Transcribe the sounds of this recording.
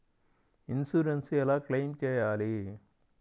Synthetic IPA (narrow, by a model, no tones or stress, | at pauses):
insuːɾensɛlaːklejmt͡ʃɛːjaːli